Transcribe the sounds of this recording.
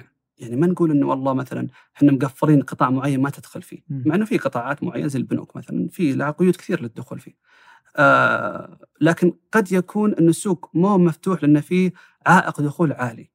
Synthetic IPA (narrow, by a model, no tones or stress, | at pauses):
jaʕnimanɡuːlʔɪnːwɑlˤːɑːmaθala̰n | ħɪnːamɡafːɪɾiːnqɨt̪ˤɑːʕmʊʕajːanmat̪ɪd̪̥xʊlfḭːmaʕɪnːʊfiqɨt̪ˤɑːʕɑːt̪mʊʕa̰jːa̰nazɪlbnṵːkma̰θala̰nfilaqʊjuːd̪kθiːɾlɪd̪ːʊxuːlfḭ | laːkɪnɡ̥ɑd̪jakʰuːnʔɪnːʊsːuːɡmumaft̪uːħlɪʔɪnːfiː | ʕaːʔɪqd̪ʊxuːlʕaːli